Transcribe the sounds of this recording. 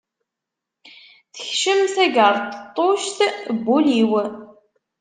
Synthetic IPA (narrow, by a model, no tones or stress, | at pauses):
θəçʃəmθæɡəɾˤt̪t̪ˤːoʃt̪bːuliw